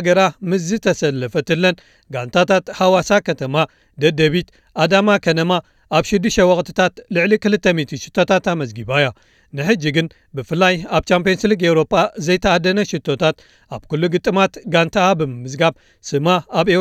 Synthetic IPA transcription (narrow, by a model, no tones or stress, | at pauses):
ɡɐɾamɨzːɨt̪ʰɐsɐlːɐfɐt̪ɨlːɐn | ɡant̪ʰat̪ʰat̪ħawasakʰɐt̪ʰɐma | d̪ɐd̪ɐβit̪ | ʔad̪amakʰɐt̪ʰɐma | ʔaβʃɪd̪ːɨʃt̪ɐwɐkʼt̪ʰɨ̥t̪ʰat̪lɨʕlikɨlɨt̪ːɐmit̪ʰiʃɨ̥t̪ʰːo̞t̪ʰat̪amɐzɡiβaja | nɨħɨd͡ʒːiɡɨn | bɨfɨlːajaβt͡ʃampionsɨlɨɡewɾo̞pʼazɐjt̪ʰɐad̪ɐnɐʃit̪ʰːo̞t̪ʰat̪ | ʔaβkulːuɡɨt̪ʼːɨmat̪ɡant̪ʰabɨmɨmːɨzɡab | sɨmaaβe